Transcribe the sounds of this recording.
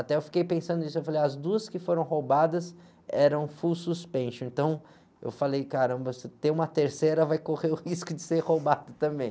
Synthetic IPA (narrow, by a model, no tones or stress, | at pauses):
at̪ɛewfi̥kejpẽsɐ̃nd̪ʊ̃isʊewfalejɐzd̪uɐskɪfoɾɐ̃w̃ɦowbad̪ɐs | ɛɾɐ̃w̃fuwsuspẽʃʊẽnt̪ɐ̃w̃ | ḛwfalejkaɾɐ̃mbɐsɪt̪ẽũmɐt̪eɾseɾɐvajkoʁeʊhiskʊd͡ʒɪseɾhowbad̪ʊt̪ɐ̃mbẽj̃